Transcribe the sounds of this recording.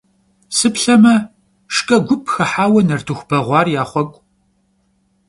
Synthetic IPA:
sɨpɬɐmɐ | ʂkʼɐɡʷʊpʰʼxɐħaːwɐnɐrtʰɨxʷb̥ɐʁʷɑːrjaːχʷɔkʷʼ

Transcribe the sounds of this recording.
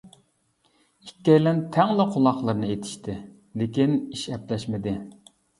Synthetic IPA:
ikʲːɛjlænt̪ʰɛŋlˠɨqʰolˠɑχlˠəɾnɨet̪ʰɪ̥ʃt̪ʰɪ | lekʲiniʃɛplɛʃmɪd̪ɪ

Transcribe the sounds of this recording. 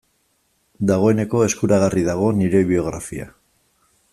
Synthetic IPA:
d̪aɣ̞o̞e̞ne̞ko̞e̞skuɾaɣ̞ariðaɣ̞o̞niɾe̞βio̞ɣ̞ɾa̰fia̰

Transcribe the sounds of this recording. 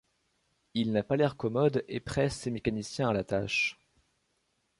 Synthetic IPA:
ilnapalɛʁkɔmɔd̪epχɛsːemekanisjɛ̃alat̪aʃ

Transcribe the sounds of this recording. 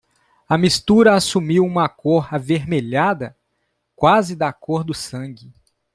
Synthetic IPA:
ɐmist̪uɾɐasumiwũmɐkoɾaveɾmeʎad̪ɐ | kwazɪd̪akoɾd̪ʊsɐ̃ɡɪ

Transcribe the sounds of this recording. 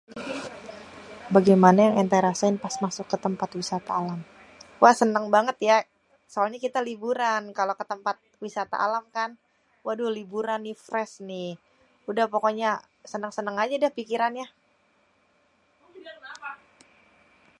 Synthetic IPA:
baɡajmanajaŋɛnt̪aɾasaɪnpasmasʊkːət̪əmpat̪wisat̪aːlam | wʔahsənəŋbaŋət̪ja | soalɲakit̪alibuɾankalokət̪əmpat̪̚wisat̪a̰ʔa̰lamkan | wadulibuɾanːifɾɛsnɪh | udahpokoɲa | sənəŋsənəŋad͡ʒadahpikiɾanja

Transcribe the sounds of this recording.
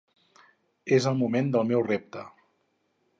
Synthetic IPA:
ezəlˠmumend̪əlˠmɛwrep̚t̪ə

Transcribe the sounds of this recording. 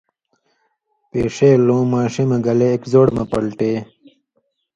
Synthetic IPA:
peːʂeːlõːmaːɕimɐ̃ɡɐleːkzoːɽmɐpɐlʈe

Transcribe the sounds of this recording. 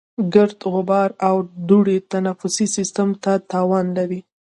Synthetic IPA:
ɡɪɾd̪ɣʊbɑɾawd̪uɽet̪anafʊsisɪst̪amt̪at̪ɑwɑnlaɾi

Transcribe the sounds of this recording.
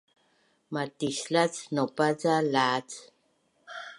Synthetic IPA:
matislat͡snopad͡zalat͡s

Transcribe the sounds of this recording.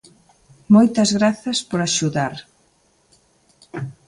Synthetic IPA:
mojt̪ɐzɣɾaθɐspoɾaʃuðaɾ

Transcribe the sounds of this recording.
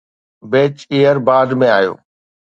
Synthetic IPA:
beːt͡ʃeːəɾbaːɖmẽaːjo̰ː

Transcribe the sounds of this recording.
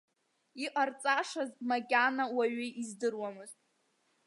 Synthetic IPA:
iqʼart͡sʼaʂazmakʲʼanawaɥɪizdɨrwamɨztʼ

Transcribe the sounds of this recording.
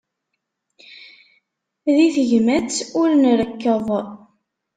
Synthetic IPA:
ðiθəʝmæt͡sːʊɾnɾəkːəðˤ

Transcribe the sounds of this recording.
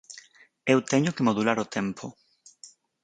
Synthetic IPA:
ewt̪ɛɲʊkemoðulaɾʊt̪ʰɛmpʰʊ

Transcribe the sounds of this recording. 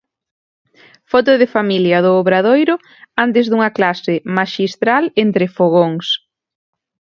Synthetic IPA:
fɔt̪ʊðɪfamiljɐðʊːβɾaðojɾʊ | ant̪̬ɪzðuŋɐklasɪmaʃist̪ɾalent̪ɾɪfoɣ̞oŋs

